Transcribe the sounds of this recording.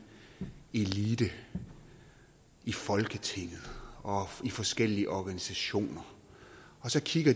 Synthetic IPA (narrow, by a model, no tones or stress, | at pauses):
e̝lid̥ə | ifɒ̽lɡ̥ət͡sʰe̝ŋ̰ð̩ˠɒ̽ifɒ̽sɡ̥el̰iəʔɒɡ̥ænisæɕo̝̰ːnɐ | ɒ̽sɒ̽kʰiɡ̥ɐ